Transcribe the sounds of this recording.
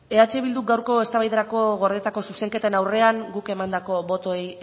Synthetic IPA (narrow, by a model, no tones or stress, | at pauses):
e̞at͡ʃe̞βild̪uk̚ɡawɾko̞e̞st̪aβajðeɾako̞ɣo̞ɾðet̪ako̞suse̞ŋke̞t̪enawre̞aŋɡuke̞mand̪ako̞βo̞t̪oej